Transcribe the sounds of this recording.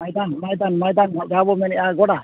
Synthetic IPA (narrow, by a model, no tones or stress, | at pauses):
ajd̪anmajd̪anmajd̪anɔd͡ʒabɔmɛnɛʔaɡɔɽa